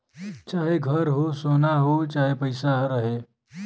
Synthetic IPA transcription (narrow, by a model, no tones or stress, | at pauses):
t͡ʃaːɦeɡʱəɾɦosoːnaɦot͡ʃaːɦepəɪsaɦɾɐɦeː